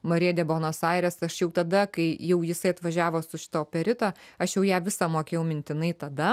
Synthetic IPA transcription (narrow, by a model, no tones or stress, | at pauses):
mɐɾʲiɛd̪ʲɛboːnoːsɑɪɾʲɛːsɐʃjɛʊt̪ɐd̪ɐkɐɪjɛʊjɪsɐɪɐt̪ʋɐʒʲæːʋoːsʊʃʲɪ̥t̪oːpʲɛɾʲɪt̪oɐʃjɛʊjæːʋʲɪsɑmoːkʲeːjɛʊmʲɪnʲt̪ʲɪnɐɪt̪ɐd̪ɐ